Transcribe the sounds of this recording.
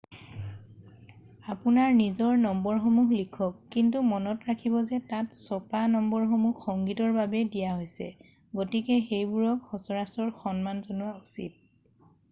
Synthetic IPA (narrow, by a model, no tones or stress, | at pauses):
apunaɹnizɔɹnɔmbɔɹxomuxlikʰɔkːintumɔnɔtɹakʰibɔzɛtatsɔpanɔmbɔɹxomuxːɔŋɡitɔɹbabɛdijaɦojsɛ̰ | ɡotikɛxejbuɹɔkxɔsɔɹasɔɹxɔnmanzonuwausḭt̚